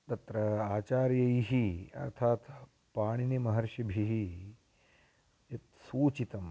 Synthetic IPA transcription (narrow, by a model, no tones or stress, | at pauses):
t̪ɐt̪ɾɐaːt͡ʃaːɾjɐiɦiɐ̰ɾt̪ʰaːt̪ | paːɳ̃inimɐɦɐɾʃɐbʱiɦi | jɐt̪suːt͡ʃit̪ɐm